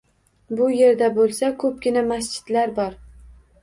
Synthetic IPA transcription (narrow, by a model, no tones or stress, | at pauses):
bʊje̞ɾd̪abolˠsakʰɵp̚ɡʲɪnamasd͡ʒɪ̥d̪̥laɾbɒɾ